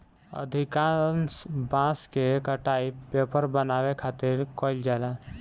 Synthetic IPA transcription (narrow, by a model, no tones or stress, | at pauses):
ə̰d̪ʱikaːnsbãːskekəʈaːipeːpəɾbənaːwekʰaːt̪ɪɾkoɪld͡ʒaːla